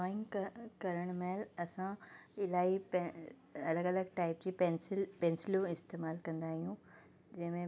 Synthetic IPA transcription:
ɔːɪ̃ŋɡkkɐɾəɽ̃meːlɐsãɪlaːip | ɐləɡɐləɡ̚ʈaːɪpd͡ʑiːpɛnsɪlpɛ̃ːnsɪljoɪst̪eːmaːlkɐ̃nd̪aːɦijũ | d͡ʑɐ̃ɦɪ̃mẽ

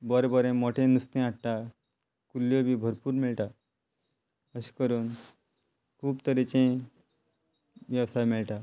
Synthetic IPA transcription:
bɔɾebɔɾẽmoʈʰẽnust̪ẽaʈ̚ʈa | kulːjobiːbʱəɾpuːɾmiɭʈa | əɕi̥kəɾuːn | kʰuːbt̪əɾet͡ɕẽ | ʋjəʋsajmiɭʈa

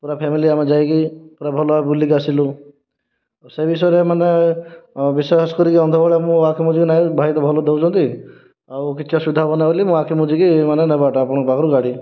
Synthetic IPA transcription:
puɾapʰemiliamed͡ʒajkipuɾabʱɔlɔabulːikasilu | sebis̬ɔɾemane | biseskɔɾikiɔnd̪ʱɔbɔɭemũakʰimud͡ʒikinajbʱajt̪ɔbʱɔlɔd̪ewd͡ʒɔ̃nt̪i | awkit͡ʃʰɔsid̪ʱabɔnabɔlimũakʰimud͡ʒikimanenɛbaʈaːpɔɽ̃ɔbʱaɡɔɾuɡaɽi

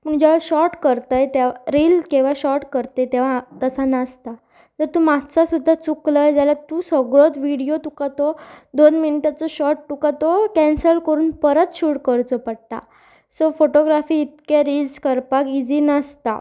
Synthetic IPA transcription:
pəɳd͡ʑaʋ̤aɕɔʈkəɾt̪əjt̪eaɾilkĩʋ̤aɕɔʈkəɾt̪əjt̪eʋ̤at̪əsanast̪a | t̪əɾt̪umat͡sasud̪ʱːat͡sukləjd͡zalat̪usəɡɭot͡s̪ʋiɽijot̪ukat̪ɔd̪onminiʈat͡sɔɕɔʈʈukat̪ɔkɛnsəɾkəɾuːnpəɾət̪ɕuɽkəɾt͡sɔpəɽʈ̪a̰ | sofoʈoɡɾafiːt̪̚keɾilskəɾpakid͡zinəst̪a̰

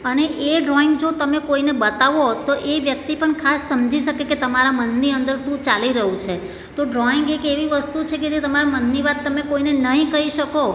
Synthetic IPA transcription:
əneʔeɖɾɔɪŋɡd͡ʒot̪əmekoinebət̪aʋot̪oʔeʋjək̚t̪ipəɳkʰasːəmd͡ʒiʃəkeket̪əmaɾamənːiənd̪əɾʃũt͡ʃaliɾəɦũt͡ʃʰe | t̪oɖɾɔɪŋɡekeʋiʋəst̪ut͡ʃʰeked͡ʒet̪əmaɾamənːiʋat̪ːəmekoinenəɦĩkəɦiʃəko

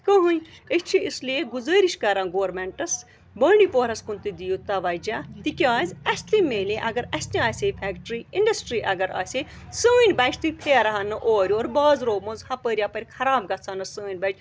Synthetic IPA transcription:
kɐɦunət͡ʃʰiislieɡuzəːɾiʃkɐɾãːnɡoːɾmeɳʈɐs | bɐːɳipoːɾɐskunt̪ɨd̪ijut̪ɐʋɐd͡ʒaːt̪ikʲaːzʲɐsʲt̪imeːlẽʔɐɡɐɾɐsʲt̪ʲiaːsʲepʰɛːkʈɾiiɳɖɐsʈɾiːʔɐɡɐɾa̰ːsʲe | səːinʲbɐt͡ʃʰt̪ɨpʰeːɾɐɦɐnːɨʔoːɾʲoːɾbaːzɾoːmõzhɐpəːɾʲjapɐɾʲkʰɐɾaːbɡɐt͡sʰaːnɨsəːinʲbɐt͡ʃ

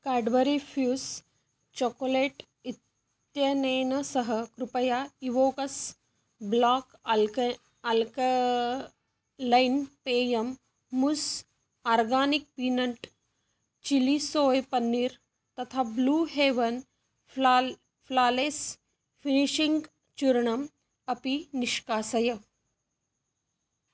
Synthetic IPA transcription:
kaːɖʋɐɾifʰjuːs | t͡ʃokoleːʈ | it̪ | jɐnɐːnɐsɐɦɐkɾupɐjaiʋoːkɐs | blaːk | ɐlk | lɐjnpeːjɐmː | us | aːɾɡaːnik̚pinɐɳʈ | t͡ʃilisoːjpɐnːiɾ | t̪ɐt̪ʰaːbluːɦeːʋɐn | pʰlaːleːs | fʰiniʃiŋɡ | t͡ʃuɾɳɐm | ɐpiniʃkaːsɐjɐ

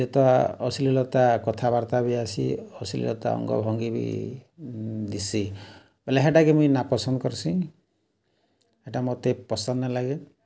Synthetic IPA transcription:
d͡ʒet̪ɔaɔsililɔt̪akɔt̪ʰabaɾt̪abiasḭɔsilḭlɔ̰t̪a̰ɔ̰ŋɡɔ̰bʱɔŋɡibḭ | d̪isi | beleɦeʈakemũjnapɔsɔnd̪ɔkɔɾsĩ | heʈamot̪epɔsɔnːalaɡe

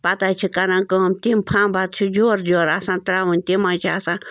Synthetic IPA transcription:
pat̪ajt͡ʃʰikaɾaŋkomt̪impʰambat̪̚t͡ʃʰud͡ʒoɾd͡ʒoɾasãnt̪ɾawɨnʲt̪imat͡ʃʰasã

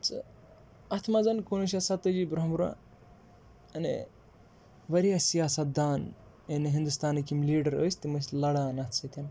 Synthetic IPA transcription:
t͡sʰɨ | ɐt̪ʰmɐzɐnkonus̬ʲɐsɐt̪ɨd͡ʒibɾɐɦmuɾa̰ | ɐnḛ | ʋɐɾijasijaːsɐt̪̚d̪aːn | eneɦind̪ust̪aːnɨkimliːɖɐɾə̰ːsʲt̪imɐsʲlɐɽanɐt̪ʰsɐt̪ʰʲɐn

